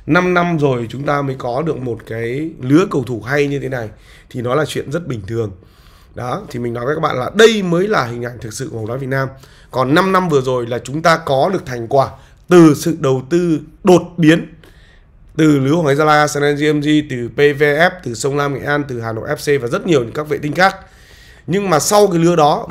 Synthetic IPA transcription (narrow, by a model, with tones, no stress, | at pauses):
na˧mna˧mzo˨˩jt͡ɕʊ˨˦ŋ͡mt̪aː˧məː˨˦jkɔ˨˦ɗɨ˨˩ək̚mo˨˩t̚kaː˨˦jlɨ˨˦əkə˨˧˩wt̪ʰu˧˩ɦa˧jɲɨ˧t̪ʰe˨˦na˨˩j | t̪ʰi˨˩nɔ˨˦laː˨˩t͡ɕwḭ˧˨ənzə˦˥t̚ɓï˨˩ŋ̟t̪ʰɨ˨˩əŋ | ɗɔ˨˦t̪ʰi˨˩mï˨˩ŋ̟nɔ˨˦vəː˨˦kaː˦˥ɓa̰ː˧˨laː˨˩ɗə˧jməː˨˦jlaː˨˩hï˨˩ŋ̟ʔa˧˩jŋ̟t̪ʰɨ˨˩k̚sɨ̰˧˨˧waː˨˦vt̚naː˧m | kɔ˨˩nːa˧mna˧mvɨ˨˩əzo˨˩jlaː˨˩t͡ɕʊ˨˦ŋ͡mt̪aː˧kɔ˨˦ɗɨ˨˩ək̚t̪ʰa˨˩jŋ̟kwaː˧˩ | t̪ɨ˨˩sɨ̰˧˨ɗə˨˩wt̪ɨ˧ɗo˨˩t̚ɓi˨˦ən | t̪ɨ˨˩lɨ˨˦əwhɔ˨˦jzaː˧laː˧sɛ˧nɛ˧nzi˧ɛ˧mzi˧t̪ɨ˨˩pe˧ve˧ʔɛ˦˥p̚t̪ɨ˨˩sə˧wŋ͡mlaː˧mŋḛ˧˨ʔaː˧nt̪ɨ˨˩haː˨˩no̰˧˨ʔɛ˦˥p̚se˧vaː˨˩zə˦˥t̚ɲi˨˩əwɲɨ̰˧ŋkaː˦˥k̚vḛ˧˨t̪ï˧ŋ̟xaː˦˥k̚ | ɲɨ˧ŋmaː˨˩sa˧wkaː˨˦jlɨ˨˦əɗɔ˨˦